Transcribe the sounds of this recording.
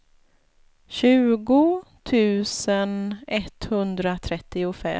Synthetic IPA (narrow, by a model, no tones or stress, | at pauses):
ɕʉ̟ːɡʊt̪ʰʉ̟ːsənɛt̪ːhɵnd̪ɾat̪ʰɾɛt̪ːɪʊfɛ̰